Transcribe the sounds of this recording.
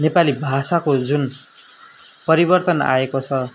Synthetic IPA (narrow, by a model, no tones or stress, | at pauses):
nepalibʱasakod͡zun | pʌɾibʌrt̪ʌna̰ekot͡sʰʌ